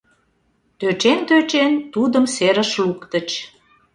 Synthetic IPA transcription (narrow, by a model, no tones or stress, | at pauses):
t̪øt͡ɕent̪øt͡ɕent̪ud̪əmseɾəʃlukt̪ə̆t͡ɕ